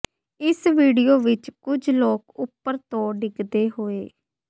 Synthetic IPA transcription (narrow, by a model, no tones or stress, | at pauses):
ɪsʋiːɖijoːʋɪt͡ʃkʊd͡ʒloːkʊpːəɾt̪õːɖɪɡd̪eːɦoːeː